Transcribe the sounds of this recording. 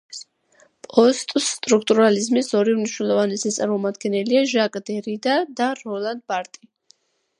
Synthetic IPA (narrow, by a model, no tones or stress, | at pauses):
pʼɔst̪ʼst̪ʼɾukʰt̪ʼuɾalizmisɔɾimniʃwnɛlˠɔvanɛsit̪sʼaɾmɔmad̪ɡɛnɛliaʒakʼd̪ɛɾid̪ad̪aɾɔlˠand̪̚baɾt̪ʼi